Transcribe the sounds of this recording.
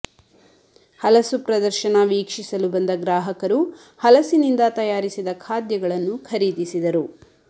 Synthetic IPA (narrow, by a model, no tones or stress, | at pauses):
hɐlɐsupɾɐd̪ɐɾʃɐnɐʋiːkʂisɐlubɐnd̪ɐɡɾaːɦɐkɐɾu | hɐlɐsinind̪ɐt̪ɐjaːɾisid̪ɐkʰaːd̪jɐɡɐɭɐnːukʰɐɾiːd̪isid̪ɐɾu